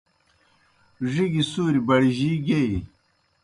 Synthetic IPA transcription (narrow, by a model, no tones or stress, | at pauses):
ʐiɡisuːɾibɐɽiʑiːɡei